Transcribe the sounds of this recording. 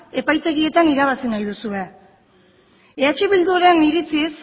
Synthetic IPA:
e̞pajt̪e̞ɣie̞t̪aniɾaβ̞asinajðusue̞ | eat͡ʃiβild̪uoɾe̞niɾit͡sis

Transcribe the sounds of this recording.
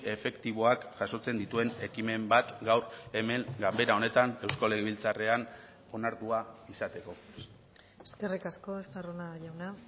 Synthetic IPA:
e̞fe̞kt̪iβ̞o̞akʝaso̞t͡se̞nd̪it̪ue̞ne̞kime̞mbat̪ɡawɾe̞me̞ŋɡambe̞ɾao̞ne̞t̪ane̞wsko̞le̞ɣeβilt͡sare̞an | o̞naɾt̪uaisat̪e̞ko̞ | eske̞rikasko̞est̪aronaʎawna

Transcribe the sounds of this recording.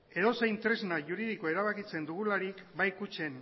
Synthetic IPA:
e̞ðo̞se̞jnt̪ɾe̞znaʝuɾiðikoe̞ɾaβ̞akit͡se̞nd̪uɣulaɾikbajkut͡ʃe̞n

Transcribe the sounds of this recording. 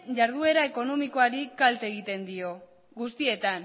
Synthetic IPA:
ʝaɾð̞ue̞ɾaeko̞no̞miko̞aɾikalt̪e̞ɣ̞it̪e̞nd̪io̞ | ɡust̪ie̞t̪an

